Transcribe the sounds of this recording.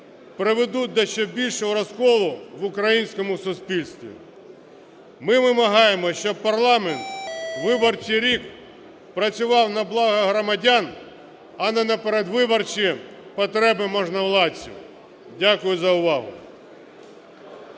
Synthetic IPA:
pɾɪʋed̪ud̪ɔʃt͡ʃɛbʲilʲʃɔɦɔɾɔskɔlˠʊʋʊkɾɐjinʲsʲkɔmʊsʊspʲilʲst̪ʋʲḭ | mɪʋɪmɐɦɑjemɔʃt͡ʃɔb̚pɐrlˠɑment̪ʋɪbɔrt͡ʃiɾʲik | pɾɐt͡sʲʊʋɑwnɐblˠɑɦɐɦɾɔmɐdʲan | ɐnɛnɐpeɾed̪ʋɪbɔrt͡ʃijɛ | pɔt̪ɾɛbɪmɔʒnɐwlˠɑt͡sʲːḭ | dʲakʊjʊzɐʊʋɑɦʊ̰

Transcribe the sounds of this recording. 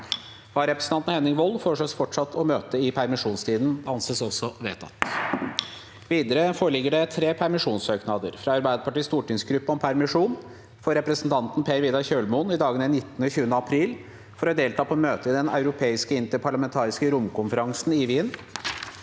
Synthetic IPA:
ʋɑːɾɛpɾəsn̩ɑnt̪n̩hɛnːɪŋʋɔlføʂɔsfɔʈʂɑt̪ʰːɔmøːt̪əɪpʰæɾmɪʂuːnst̪ʰiːd̪n̩ɑnseːsɔsːɔʋḛːt̪ʰɑ̰t̪ː | ʋiːd̪əɾəfoːɾəɭɪɡːəɖɛt̪ʰɾeːpʰæɾmɪʂuːnsøːknɑd̪ə̰ɾfɾɑɑɾbæɪd̪əpɑʈiːst̪uːʈɪŋsɡɾʉpːəɔmpʰæɾmɪʂuːn | fɔɾɛpɾəsənt̪ʰɑnt̪n̩pʰeːɾʋiːd̪ɑçøːlmʊnɪd̪ɑːɡənɛnɪt̪ːənəçʉːənəɑpʰɾiːl | fɔɾɔd̪eːlt̪ʰɑːpʰɔmøːt̪əɪd̪ɛnɑ̰ʉɾʊpʰeːɪskəɪnt̪əɾpʰɑɭɑmɛnt̪ʰɑːɾɪskəɾʊmkʰʊnfəɾɑŋsnɪʋiːn

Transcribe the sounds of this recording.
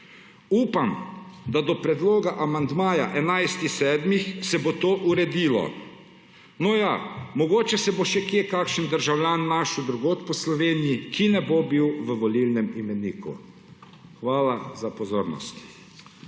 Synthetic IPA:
uːpamd̪ad̪ɔpɾɛd̪loːɡaʔamand̪maːja̰ʔɛnajst̪ixsɛːd̪mixsɛbot̪oːʔuɾɛd̪iːlɔ̰ | nɔjamɔɡoːt͡ʃɛsɛboʃɛkjekakʃənd̪əɾʒawljaːnːaʃud̪ɾuɡoːt̪pɔslɔʋeːnijikinɛbobiwʋəʋɔlilnɛmimɛniːkṵ | xʋaːlazapɔzoːɾnɔ̰st̪

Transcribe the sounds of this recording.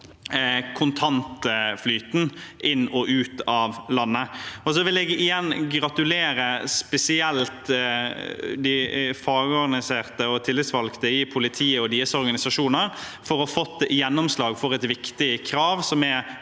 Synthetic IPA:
kʰʊnt̪ʰɑnt̪flyːt̪nʔɪnːɔʔʉːt̪ɑʋlɑnːəɔs̬ɔʋɪlɛɡɪjɛnːɡɾɑt̪ʉleːɾəspɛsɪɛlt̪ | d̪ɪfɑːɡəɔɾɡɑnɪseːʁt̪əɔt̪ʰɪlːɪt̪sʋɑlkt̪əɪpʰʊlɪt̪ʰiːəɔd̪iːəsɔɾɡɑnɪsɑʂuːnəɾ | fɔɾɔfɔt̪ːjɛnːɔmslɑːɡfɔʁɛt̪ʋɪkt̪ɪkʰɾɑːʋsɔmɛ

